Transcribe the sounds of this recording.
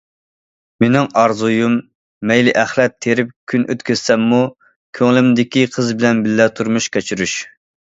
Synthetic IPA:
menɪŋɑɾzujumː | ɛjlɪʔɛχlˠɛt̪ʰːeɾɪp̚kʲʰynʔø̰t̪kʲʰøz̥sɛmːu | kʲʰøŋlɪmd̪ɪkʲiqʰəzbɪlɛnbɪlːɛt̪ʰuɾmuʃkʲʰɛt͡ʃʰyɾyʃ

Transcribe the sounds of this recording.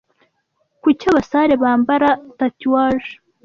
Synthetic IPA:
kucaβasaːɾe̞βaːmbaɾatatiwaːʒe̥

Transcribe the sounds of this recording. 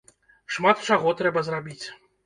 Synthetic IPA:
ʂmat̪t͡ʂaɣɔt̪ɾɛbɐzrabʲit͡sʲ

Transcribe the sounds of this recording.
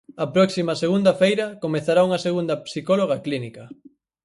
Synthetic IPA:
ɐpɾɔksimɐseɣund̪ɐfejɾɐkomeθaɾauŋɐseɣund̪ɐpsikoloɣ̞ɐklinikɐ

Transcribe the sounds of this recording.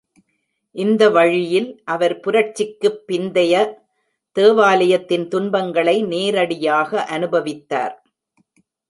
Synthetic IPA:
ʔɪnd̪ɐʋɐɻɪjɪlʔɐʋɐɾpʊɾɐʈt͡ʃːɪkːɯpːɪnd̪ɐjɐ | t̪eːʋaːlɐjɐt̪ːɪnt̪ʊnbɐŋɡɐɭɐɪneːɾɐɽɪjaːɣɐʔɐnɯbɐʋɪt̪ːa̰ːɾ

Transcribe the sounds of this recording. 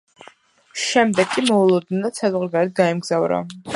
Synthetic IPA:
ʃɛmd̪ɛɡʰʼimɔulˠɔd̪̚nɛd̪at̪sʰazʁɾɡaɾɛt̪̚ɡaimɡzavɾa̰

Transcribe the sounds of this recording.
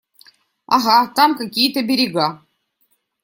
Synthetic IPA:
a̰ɦat̪ɑmkakʲijt̪əbʲeɾʲiɡa

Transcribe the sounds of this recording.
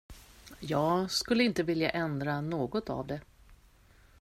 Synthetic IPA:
jɑːɡskɵlːəɪnt̪əvɪlja̰ʔɛnd̪ɾanoːɡɔt̪a̰vd̪ɛ

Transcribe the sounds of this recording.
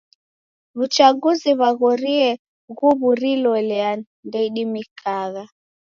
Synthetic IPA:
βut͡ʃaɡuziβaɣɔɾiɛ | ɣuβuɾilɔlɛa | ndɛiɗimikʰaɣa

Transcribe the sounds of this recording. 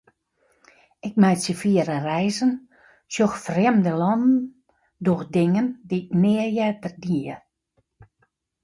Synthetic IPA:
ɪkmɛjsjəfiəɾərɛjzən | sjoxfrɛmdəlɔndn̩ | doxdɪŋəndiknɪəjɛtərdiə

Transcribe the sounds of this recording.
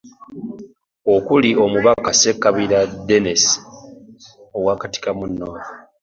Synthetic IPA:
okulio̞muβakase̞kːaβilade̞nes | o̞waːkati̥kamunːoːɾo

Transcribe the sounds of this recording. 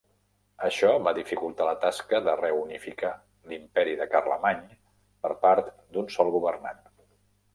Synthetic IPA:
əʃɔβaðifikulˠt̪alət̪askəðərɛunifika | limpɛɾiðəkarləmaɲ | pəɾpaɾt̪ | d̪unsɔlˠɣuβərna̰n

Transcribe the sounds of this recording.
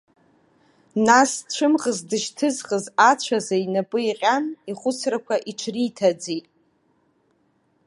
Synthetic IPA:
nast͡ʃʷʰɨmχəzdɨʃtʰɨzχəzat͡ɕʷʰazainapʼɨiqʲʼaniχʷʊt͡sʰrakʷʰaʔiʈ͡ʂʷʰritʰad͡zitʼ

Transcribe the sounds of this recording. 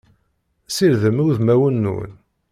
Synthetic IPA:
siɾðəmuðmæwənːṵn

